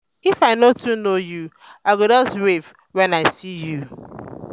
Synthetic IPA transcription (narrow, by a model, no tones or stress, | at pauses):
ifaɪnotʰunoju | aɪɡodɔswev | wɛ̃naɪsiju